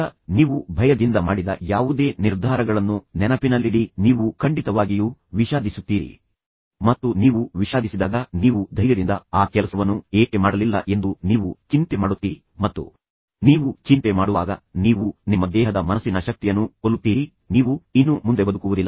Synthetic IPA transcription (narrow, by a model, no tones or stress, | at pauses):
ɐniːʋubʱɐjɐd̪ind̪ɐmaːɽid̪ɐ̰jaːʋud̪e̞ːniɾd̪ʱaːɾɐɡɐɭɐnːunɛnɐpinɐlːiɽiniːʋukʰɐɳɖit̪ɐʋaːɡijuʋiʃaːd̪ʱisut̪ːiːɾḭ | mɐt̪ːuniːʋuʋiʃaːd̪ʱisid̪aːɡɐniːʋud̪ʱɐjjɐɾind̪ɐaːkɛlɐsɐʋɐnːueːke̞maːɽɐlilːɐ̰ʔe̞nd̪uniːʋut͡ʃint̪e̞maːɽut̪ːiːɾi | mɐt̪ːṵ | niːʋut͡ʃint̪emaːɽuʋa̰ːɡɐniːʋunimːɐd̪ɛːɦɐd̪ɐmɐnɐsːinɐʃɐk̚t̪ijɐnːuolːut̪ːiːɾi | niːʋuinːumund̪e̞bɐd̪ukuʋud̪ilːɐ